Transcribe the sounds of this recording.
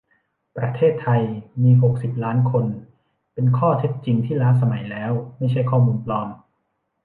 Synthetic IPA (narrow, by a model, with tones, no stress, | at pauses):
pɾa˧t̪ʰeː˥˩t̪ʰːa˧jmiː˧ɦo˨˩k̚si˨˩p̚laː˦˥nkʰo˧n | pe˧nkʰɔː˥˩t̪ʰe˦˥t̪̚t͡ɕi˧ŋt̪ʰiː˥˩laː˦˥sa˧ma˨˩˦jlɛː˦˥wma˥˩jt͡ɕʰa˥˩jkʰɔː˥˩muː˧nplɔː˧m